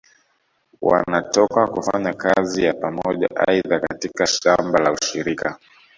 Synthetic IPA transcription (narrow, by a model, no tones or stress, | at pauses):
wa̰natɔkakufaɲakazijapamɔʄa̰ʔaiðakatikaʃambalauʃiɾika